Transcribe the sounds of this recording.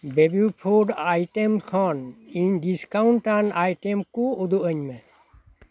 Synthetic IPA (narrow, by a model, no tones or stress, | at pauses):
bebupʰoɖajʈemkʰɔniɲɖiskawɳʈanajʈemkoud̪uʔəɲmɛ